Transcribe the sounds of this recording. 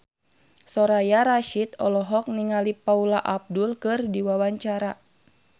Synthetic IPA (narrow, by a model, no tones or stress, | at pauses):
sɔɾajaɾaʃit̪̚ɔlɔɦɔk̚niŋalipaulaʔab̚dulkɨrdiwawaɲt͡ʃaɾa